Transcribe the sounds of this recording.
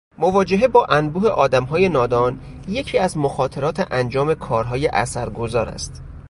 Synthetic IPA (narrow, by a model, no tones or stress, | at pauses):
movɒːd͡ʒe̞ɦebɒːʔænbuːheʔɒːd̪æmɦɒːje̞nɒːd̪ɒːn | je̞cʰiːæzmoxɒːt̪ʰe̞ɾɒːt̪ʰeʔænd͡ʒɒːme̞kʰɒːɾɦɒːje̞ʔæ̰sæɾɡo̞zɒːɾæ̰st̪